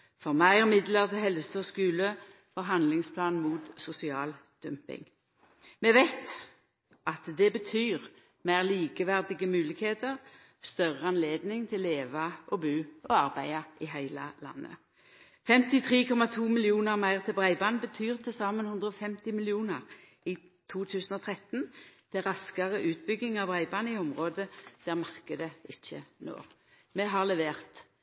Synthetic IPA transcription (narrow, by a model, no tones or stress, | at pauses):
fɔʁmæɪʁmɪd̪ləʁt̪ʰɪlɦɛlsəɔskʉːlə | fɔʁɦɑnd̪lɪŋspʰlɑːnmuːt̪sʊsɪɑ̰ːld̪̥ʉmpɪ̰ŋ | mɛʋæɪt̪ | ʔɑt̪d̪ɛbət̪ʰyːʁ | mæɪʁliːkəʋæʁd̪ɪɡəmʉːlɪkheːt̪əʁ | st̪œʁəɑnleːd̪nɪŋt̪ʰɪlːeːʋɑʔɔbʉːʔɔɑʁbæɪɑʔɪɦæɪlə̰lɑ̰nːə̰ | fɛmt̪ɪt̪ʰʁiːkʰɔmɑt̪ʰuːmɪlɪuːnəʁmæɪʁt̪ʰɪlbʁæɪbɑnbət̪ʰyːʁt̪ʰɛsɑːmənhʉnd̪ʁəɔfɛmt̪ɪmɪlɪuːnəʁ | i | t̪ʰuːt̪ʰʉːsn̩ɔt̪ʰʁɛt̪nt̪ʰɛʁɑskəʁəʔʉːt̪̚bʏɡɪŋɑʋbʁæɪbɑːnɪɔmʁoːd̪əd̪̥æːʁmɑʁkəd̪əɪçːə̰no̰ː | mɛɦɑʁlɛʋeːʁt̪